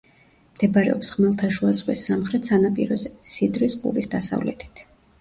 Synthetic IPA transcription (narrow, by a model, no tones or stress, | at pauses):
md̪̥ɛbaɾɛɔpsχmɛlˠt̪ʰaʃuat̪sʼqʼwisːamχɾɛt̪sanapʼḭɾɔzɛsid̪ɾispʼṵɾisd̪asa̰vlɛ̰t̪ʰi̥t̪ʰ